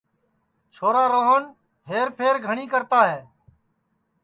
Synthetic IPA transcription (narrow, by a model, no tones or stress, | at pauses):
t͡ʃʰoːɾaːɾoːɦən | ɦeːɾpʰeːɾɡʱəɳiːkəɾt̪aːɦeː